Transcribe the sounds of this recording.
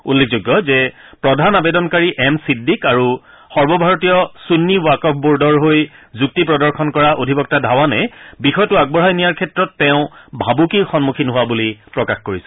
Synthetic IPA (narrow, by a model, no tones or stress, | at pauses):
ulːek̚ʰzuɡːɔzɛ | pɹɔdʱanabedɔnkaɹiʔɛmsidːikaɹu | xɔɹbɔbʱaɹɔtijɔsunːiwakɔp̚ʰbuɹdɔɹɦojzuk̚tipɹɔdɔɹxʰɔnkɔɹaʔodʱibɔk̚tadʱawanɛbixɔjtʊaɡ̚bɔɹɦajnijaɹkʰɛtɹɔtːɛʊ̃bʱabukixɔnmukʰinɦʊwabulipɹɔkaxkoɹisɛ̥